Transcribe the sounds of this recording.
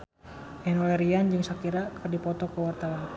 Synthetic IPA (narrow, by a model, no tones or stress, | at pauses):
ɛnɔlɛɾiand͡ʒɨŋsakiɾakʰərdipɔt̪ɔkəwart̪awan